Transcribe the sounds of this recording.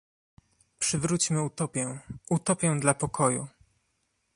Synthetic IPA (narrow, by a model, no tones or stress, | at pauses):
pʂɘvɾut͡ɕmɘut̪ɔpʲɛut̪ɔpʲjɛw̃d̪lapɔkʰɔjṵ